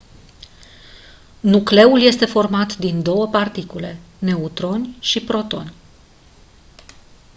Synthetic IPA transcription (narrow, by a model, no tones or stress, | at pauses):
nukle̞ulje̞st̪e̞fo̞rmat̪d̪ind̪o̞wəpart̪ikule̞ | ne̞ut̪ɾo̞nʲʃipɾo̞t̪o̞̰nʲ